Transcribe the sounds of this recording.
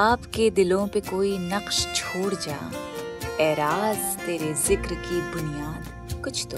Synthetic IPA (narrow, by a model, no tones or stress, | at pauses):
aːpked̪ɪlõpekoːinɐqʃt͡ʃʰoːɽd͡ʒa̰ː | ɛːɾaːzt̪eːɾezɪkɾkibʊnijaːd̪ | kʊt͡ʃʰt̪o